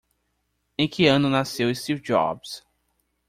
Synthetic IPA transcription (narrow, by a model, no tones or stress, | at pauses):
ẽj̃kʰɪɐ̃nʊnasewɪ̃st̪iwvd͡ʒɔ̰bs